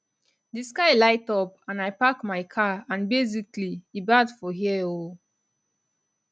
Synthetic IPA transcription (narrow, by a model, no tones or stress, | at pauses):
diskaɪlaɪtɔpãnajpakmaɪkʰaãnbezikliibadfɔɦiɛo